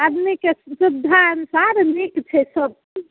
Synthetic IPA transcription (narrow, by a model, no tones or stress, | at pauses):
ad̪mikesud̪ʱːaənusaɾnikt͡ʃʰɛsəb̚